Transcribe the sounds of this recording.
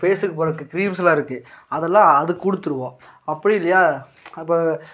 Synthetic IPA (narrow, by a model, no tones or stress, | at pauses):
feːsɯkːɯpoːɾɐkːɯkɪɾiːmslãːɪɾɯkːɯɐðɛlːãːɐðɯkːʊɽɯt̪ːɯɾɯʋõː | ɐpːɐɽɪɪlːɐjaː | ɪpːoː